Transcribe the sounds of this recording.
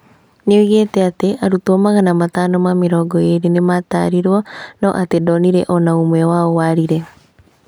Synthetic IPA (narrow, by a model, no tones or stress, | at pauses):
neoiɣetɛateʔaɾutomaɣanamataːnɔmameɾɔːɡɔeɾenemata̰ːɾiɾwɔnɔ̰ʔatedɔniɾɛʔɔnaomwɛwaowaːɾiɾɛ